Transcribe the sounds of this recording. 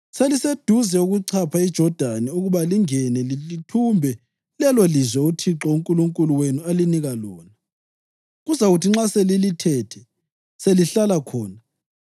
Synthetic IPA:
selised̥ʱuzɛuɣuǀʰapʰaid̥ʒ̥ʱɔd̥ʱanɛuɣuβaliŋɛnɛlilitʰumbʱɛ | lɛlɔlizwɛutʰiǁɔuŋkʼuluŋkʼuluwenualiniɣalɔːna | ɣuzaɣutʰiŋ͡ǁaselilitʰɛtʰɛ | seliɬalakʰɔːna

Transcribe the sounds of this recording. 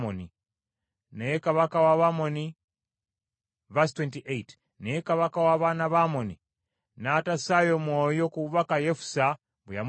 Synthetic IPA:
oni | nejekaβakawaβamoni | vastwentiʔejt | nejekaβakawaβaːnaβamoni | natasajomwoːjokuβakajefu̥sa | βujam

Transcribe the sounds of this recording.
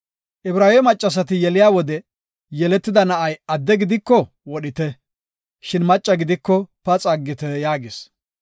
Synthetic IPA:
ʔɪbɾaːwɛmɐt͡ʃʼːɐs̬ɐt̪ɪjɛlɪjaːwɔd̪ɛ | jɛlɛt̪ːɪd̪ɐnɐʔɐjɐd̪ːɛɡɪd̪ɪkːɔ | wɔɗɪt̪ɛ | ʃɪnmɐt͡ʃʼːɐɡɪd̪ɪkːɔpɐt͡sʼɐɡːɪt̪ɛjaːɡɪs

